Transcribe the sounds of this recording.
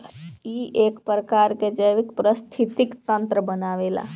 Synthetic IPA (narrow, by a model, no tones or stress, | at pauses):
iʔeːkpɾəkaɾked͡ʒəʋikpɾəst̪ʰit̪ikt̪ənt̪ɾəbənaʋela̰